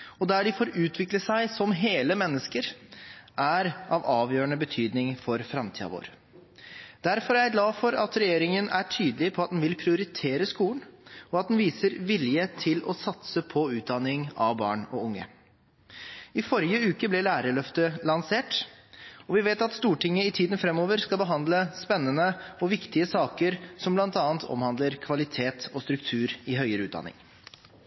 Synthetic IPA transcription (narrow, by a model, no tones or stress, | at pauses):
ɔd̪æɖɪfoːɾʉːt̪ʰʋɪkləsæɪsɔmɦeːləmɛnːəskəɾʔæɾʔɑʋɑːʋjøːɳəbət̪ʰyːd̪nɪŋfɔɾfɾɑmt̪ʰḭːɑ̰ʋo̰ːɾ | d̪̥æɾfɔɾææɡlɑːfɔɾɑt̪ɾɛjeːɾɪŋənæʈʰyːd̪əlɪpʰɔɑt̪̚d̪ɛnʋɪlpʰɾɪʊɾɪt̪ʰeːɾəskuːlən̩ɔɑt̪̚d̪ɛnʋiːsəɾʋɪljət̪ʰɪlɔsɑt̪səpʰɔʉːt̪̚d̪ɑnːɪŋɑʋbɑ̰ːɳɔʊŋːə̰ | ɪfɔɾjəʉːkəblɛɭæːɾəɭœft̪əlɑnseːʈ | ɔʋɪʋeːt̪ɑt̪st̪uːʈɪŋːəɪt̪ʰiːd̪ən̩fɾɛmːoːʋəɾskɑlbəɦɑnd̪ləspɛnːənəɔʋɪkt̪ɪəsɑːkəɾsɔmblɑnt̪ɑːənt̪ʰɔ̰mhɑnd̪ləɾkʰʋɑlɪt̪ʰeːt̪ɔst̪ɾʉkt̪ʰʉːɾɪɦœʏəɾəʉːt̪d̪ɑ̰nɪ̰ŋ